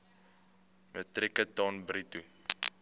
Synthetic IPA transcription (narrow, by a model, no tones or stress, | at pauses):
mətrɛkətɔnbɾitu